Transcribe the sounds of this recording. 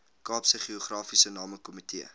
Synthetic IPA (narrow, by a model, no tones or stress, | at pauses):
kɑːpsəχioχrɑːfisənɑːməkɔmitiə